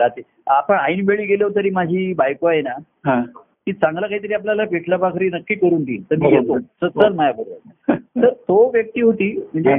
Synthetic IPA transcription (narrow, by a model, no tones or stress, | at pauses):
ɾat̪i | apəɳainʋeɭiːɡeljt̪̬əɾiːmad͡ʑʱiːbajkoajna | ɦa | kiːt͡sãŋɡlakaɦit̪əɾiːapljalapeʈʰlabakʰɾiːnəkːiːkəɾuːnt̪ḭːt̪əɾmiːjet̪osət͡səlmajakəɾət̪əɾt̪oʋjək̚t̪iːɦot̪iːm̤əɳd͡ze